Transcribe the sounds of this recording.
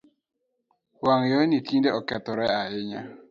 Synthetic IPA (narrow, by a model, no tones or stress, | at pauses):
waŋjɔnitʰindeɔkɛt̪ɔɾɛaɪɲa